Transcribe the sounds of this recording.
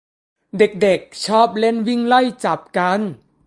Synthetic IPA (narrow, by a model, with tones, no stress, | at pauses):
de˨˩k̚de˨˩k̚t͡ɕʰɔː˥˩p̚le˦˥˩nwi˥˩ŋlɤ˥˩jt͡ɕa˨˩p̚ka˧˥n